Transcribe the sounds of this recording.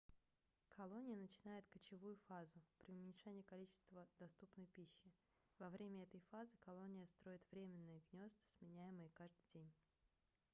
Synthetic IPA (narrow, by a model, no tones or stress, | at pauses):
kʰɐlˠo̞nʲɪjənət͡ɕɪnajɪt̪kət͡ɕɪvujʊfazʊpɾʲɪʊmʲɪnʲʂɛnʲɪjəkɐlʲit͡ɕɪ̥st̪vəd̪ɐst̪upnəjpʲiɕːɪ | vɐvɾʲemʲəɛt̪əjfazɨkɐlˠo̞nʲɪjəst̪ɾo̞ɪt̪vɾʲemʲɪnːɨjəɡnʲo̞st̪ɨ̥smʲɪnʲæjɪmɨjəkaʐd̪ɨjdʲenʲ